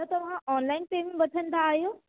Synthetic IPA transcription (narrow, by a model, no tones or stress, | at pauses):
ət̪əʋ̤ɦãʔɔnlainʈemĩbət͡sʰənd̪aːjo